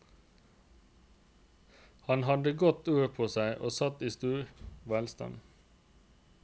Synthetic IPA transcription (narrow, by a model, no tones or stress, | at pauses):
hɑnhɑd̪əɡɔt̪ʉːəpʰoːsæɪʔoːsɑt̪iːst̪ʉːɹʋælst̪ɑ̰n